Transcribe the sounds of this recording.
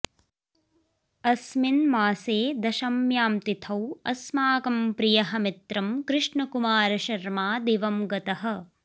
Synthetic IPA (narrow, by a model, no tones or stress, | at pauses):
ɐsminmaːseːd̪ɐʃɐmjaːmt̪it̪ʰɐwɐ̰smaːkɐmpɾijɐɦɐ̆mit̪ɾɐmkɾɪʂɳɐkumaːɾɐʃɐɾmaːd̪eːʋɐmɡɐt̪ɐɦɐ̆